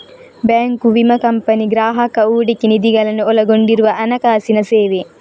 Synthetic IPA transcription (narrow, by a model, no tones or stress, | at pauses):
bɛːŋkuʋimɐkɐmpɐniɡɾaːɦɐkɐuːɖikːinid̪iɡɐlɐneolɐɡoɳɖiɾuʋɐʔɐnɐkaːsinɐseːʋe